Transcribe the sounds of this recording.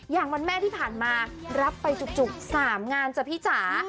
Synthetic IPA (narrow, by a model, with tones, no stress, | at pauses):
jaː˨˩ŋwa˧nmɛː˥˩t̪ʰiː˥˩pʰaː˨˩nmaː˧ɾa˦˥pːa˧jt͡ɕu˨˩k̚t͡ɕu˨˩k̚saː˩˦mŋaː˧nt͡ɕaː˨˩pʰiː˦˥˩t͡ɕʰaː˩˦